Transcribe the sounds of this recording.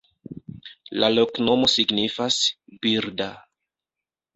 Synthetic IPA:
lalo̞kno̞mo̞siɡnifasbiɾda

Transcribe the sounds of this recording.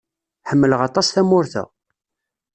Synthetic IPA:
ħəmːələʁɑt̪ˤɑsθæmʊɾθə̰ʁ

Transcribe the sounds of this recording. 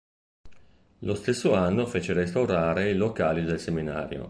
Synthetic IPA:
lost̪esːoanːofeːt͡ʃeɾest̪awɾaːɾeilokaːlid̪elsemina̰ːɾjo̰

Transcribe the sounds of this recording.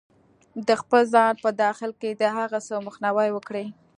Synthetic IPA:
d̪əxpəlzɑnpəd̪ɑxɪlked̪əɦaɣasəwməxnawajwəkɽe

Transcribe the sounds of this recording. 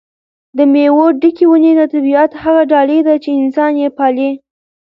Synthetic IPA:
d̪əmewoɖikiwunenat̪abijat̪haɣaɖɑled̪at͡ʃeɪnsɑnjepɑle

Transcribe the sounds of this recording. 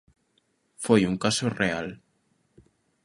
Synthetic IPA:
fojuŋkasoreal

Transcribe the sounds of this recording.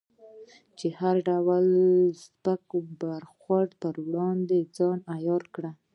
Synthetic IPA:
t͡ʃehaɾɖawəlzbakobaɾxwaɖpəɾwɽɑnd̪ed͡zɑnajɑɾkɽa

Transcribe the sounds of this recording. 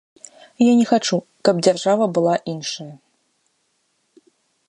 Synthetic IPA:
janʲɛxat͡ʂu | kɐb̚d͡zʲarʐavɐbɨlˠaʔinʂɐjɐ

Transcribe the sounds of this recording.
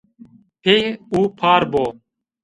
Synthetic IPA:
pʰeːuːpʰaːɾboː

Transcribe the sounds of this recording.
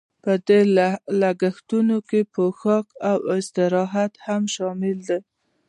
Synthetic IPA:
pəd̪elaɡaxt̪unokepəxɑkawɪst̪ɪɾɑɦat̪hamʃɑmɪld̪e

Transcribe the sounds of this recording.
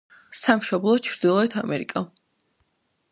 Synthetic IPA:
samʃɔblˠɔt͡ʃʰɾd̪ilˠɔɛt̪ʰamɛɾḭkʼa

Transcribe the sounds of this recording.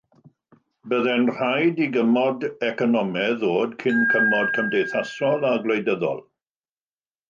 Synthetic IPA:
bəðɛnr̥ajdiɡəmɔdɛkɔnɔmɛðoːdkʰɪnkʰəmɔd̚kʰəmdejθasɔlˠaɡlejdəðɔ̰lˠ

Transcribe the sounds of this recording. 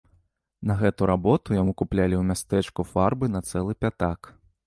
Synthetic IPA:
nɐɣɛt̪uɾabɔt̪ujamukuplʲalʲiwmʲast̪ɛt͡ʂkufarbɨnɐt̪sɛlˠɨpʲat̪ak

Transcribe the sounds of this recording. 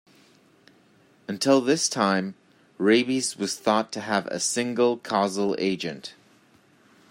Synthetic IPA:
ɨ̃ntʰɪlˠðɪstʰãɪ̃m | ɹeɪbizwʌz̥θɔtʰɨəvɨ̰sɪ̃ŋɡəl̩ˠkʰɑzl̩ˠḛɪd͡ʒɨ̃nt

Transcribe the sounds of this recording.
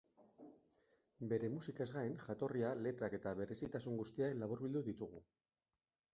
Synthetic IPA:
be̞ɾe̞musikae̞zɣaenʝat̪o̞riale̞t̪ɾake̞t̪aβe̞ɾe̞sit̪asuŋɡust̪iaklaβuɾβild̪uðit̪uɣ̞u

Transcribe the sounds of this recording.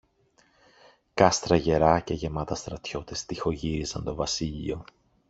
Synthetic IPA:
kɐst̪ɾɐʝe̞ɾɐce̞ʝe̞mɐt̪ɐst̪ɾɐt̪ço̞t̪est̪ixo̞ʝiɾizɐnt̪o̞vɐsiʎio̞

